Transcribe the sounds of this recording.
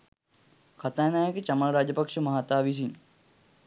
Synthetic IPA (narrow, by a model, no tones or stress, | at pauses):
kʰat̪aːnaːjəkət͡ʃaməlɾaːd͡ʒəpakʂəmɐɦat̪aːʋis̬in